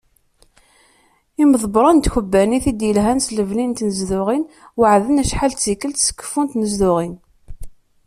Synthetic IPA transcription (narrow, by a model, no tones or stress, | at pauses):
imðˤbɾˤɑnt̪çəbːæniθid̪jəlɦænsləvlint̪nəzðʊʁin | wəʕðənæʃħalt̪t͡sikəlt̪sə̥kːə̥funt̪nəzðʊʁin